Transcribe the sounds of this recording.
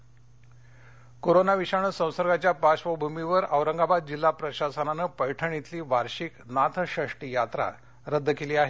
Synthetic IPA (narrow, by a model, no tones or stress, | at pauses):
koɾonaʋiɕaɳ̃əsə̃w̃səɾɡat͡ɕjapaɕʋəbʱumiʋəɾəʋɾəŋɡabad̪̚d͡ʑilːapɾəɕasənanəpəjʈʰəɳ̃it̪liːʋaɾɕiknat̪ʰəɕəʂʈijat̪ɾa̰ | ɾəd̪ʱːkeliːaɦe